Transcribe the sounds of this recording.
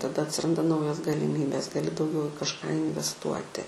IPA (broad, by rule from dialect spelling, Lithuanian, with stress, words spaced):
tɐˈdɐ ɐtʲsʲɪˈrɐndɐ ˈnɐʊjoːs ɡɐlʲɪˈmʲiːbʲeːs ɡɐˈlʲɪ dɐʊˈɡʲɛʊ ɪ kɐʃˈkɑː ɪnʲʋʲɛsˈtuɔtʲɪ